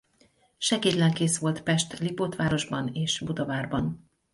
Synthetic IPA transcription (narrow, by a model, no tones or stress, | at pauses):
ʃɛɡeːt̪lɛŋkeːsʋo̞lt̪pɛʃt̪lipoːt̪ʋaːɾo̞ʒbɒneːʃbud̪ovaːrbɒn